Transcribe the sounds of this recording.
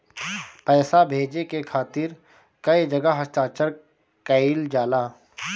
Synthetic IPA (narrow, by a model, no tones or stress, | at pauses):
pɛːsabʱeːd͡ʒekekʰaːt̪ɪɾ | kɐid͡ʒɐɡəɦəsʈaːt͡ʃəɾ | kəild͡ʒaːlaː